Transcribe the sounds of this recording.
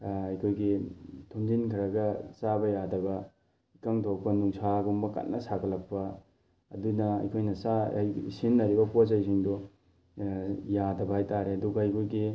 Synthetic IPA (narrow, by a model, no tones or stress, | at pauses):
ɐjkʰojɡitʰoŋdinkʰiɾɐɡɐsabɐjadɐbɐ | ikaŋtʰopɐnuŋsaɡumbɐka̰tnɐsaɡɐlɐk̚pɐ | ɐdunɐɐ̰jkʰojnɐsajḭsinːɐɾibɐposajs̬iŋdɔ | jadɐbɐhajtaɾeɐduɡɐɐjkʰojɡi